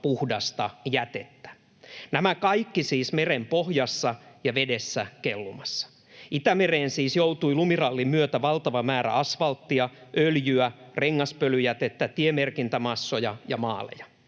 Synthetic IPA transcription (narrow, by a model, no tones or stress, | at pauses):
puhdɑst̪ɑjæt̪et̪ːæ̥ | næmækɑikːisiːsmerempohjɑsːɑjɑʋedesːækelːumɑsːɑ̥ | it̪æmereːnsiːsjouwt̪uilumirɑlːimyøt̪æʋɑlt̪ɑʋɑmæːɾæ̰ɑsʋɑlt̪ːiɑʔøljyæreŋːɑspølyjæt̪et̪ːæt̪iemerkint̪æmɑsːojɑjɑmɑːlḛjɑ̥